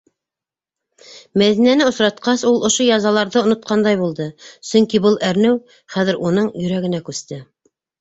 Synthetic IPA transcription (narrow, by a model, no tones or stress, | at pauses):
mæðinænɘŏsɾɑt̪qɑsulˠŏʃojɑzɑlˠɑɾðɤŏnŏt̪̚qɑnd̪ɑjbulˠd̪ɤsɵŋkibɤlˠʔæɾnɘw | χæðɘ̆ɾʔunɤɴjɵ̆ɾæɡɘ̆nækʉst̪ɘ